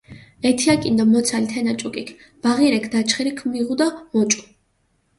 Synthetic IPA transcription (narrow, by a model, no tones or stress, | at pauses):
ɛt̪ʰiakʼind̪ɔmɔt̪sʰalit̪ʰɛnat͡ʃʼukʼikʰ | b̥aʁiɾɛkʰd̪at͡ʃʰχɛɾikʰmiʁud̪amɔt͡ʃʼu̥